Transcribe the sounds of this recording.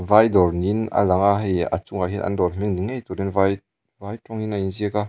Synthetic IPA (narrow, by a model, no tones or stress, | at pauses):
vajdɔrnina̰laŋaɦeja̰t͡suŋajɦinʔɐ̰ndɔlm̥iŋdiŋejt̪ɔɾinvaj | vajtɔŋinainziəka